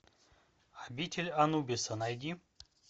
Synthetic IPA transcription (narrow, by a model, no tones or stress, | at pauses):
abʲit̪ʲʰelʲanubʲesɐnajd̪ʲi